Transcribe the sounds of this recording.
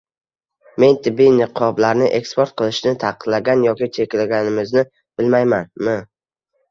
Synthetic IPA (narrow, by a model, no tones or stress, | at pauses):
me̞nt̪ʰɪbːijnɪqʰɒblaɾnɪʔe̞kspʰoɾt̪̚qʰɨlˠɪʃnɪt̪ʰɑqʰɨd̪laɡʲanjɒkʲɪt͡ʃʰe̞kʲlaɡʲanɪmɪznɪ | b̥ɪlmajmanmɪ